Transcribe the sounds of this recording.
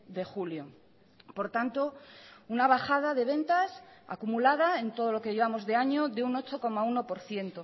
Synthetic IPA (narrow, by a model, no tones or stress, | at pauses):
ðe̞xuljo̞ | po̞ɾt̪ant̪o̞unaβ̞axað̞aðe̞βe̞nt̪asa̰kumulað̞ae̞nt̪o̞ð̞o̞lo̞kejeβamo̞zðe̞aɲo̞ðe̞uno̞t͡ʃo̞ko̞mauno̞po̞ɾθje̞nt̪o̞